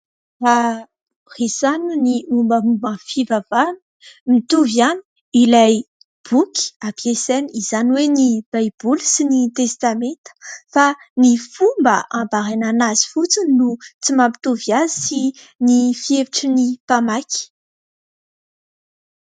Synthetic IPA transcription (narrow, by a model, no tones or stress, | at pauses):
ra | resanuniumbəmubə̃fivavanə | mit̪uvjani̥ | ilaj | b̥uki̥apeseniizaniwenib̥ajb̥ulusinit̪est̪ament̪ə̥fanifumbəʔãmbaɾananazi̥fut͡suninut͡simampi̥t̪uvjazisi | nifieviʈ͡ʂənipamaki̥